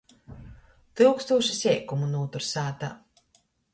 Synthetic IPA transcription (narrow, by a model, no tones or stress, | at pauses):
t̪ɨwkst̪uɔʃisʲɛːkumunuːt̪uɾsaːt̪a